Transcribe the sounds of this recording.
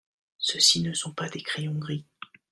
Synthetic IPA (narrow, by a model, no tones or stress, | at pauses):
səsinəsɔ̃pad̪ekχejɔ̃ɡʁi